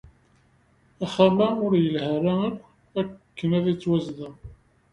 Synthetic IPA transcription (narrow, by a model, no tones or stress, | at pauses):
æχamæʊɾjəlhəɾæən | ækːənæðit͡sːwæzðæ